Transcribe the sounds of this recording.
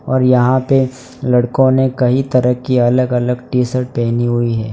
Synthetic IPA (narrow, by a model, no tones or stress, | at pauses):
ɔːɾjɐɦãpe | lɐɽkõnekɐɦit̪ɐɾəɦkiɐləɡɐləɡʈiːsəɾʈ̚pɛːɦniɦʊiɦɛː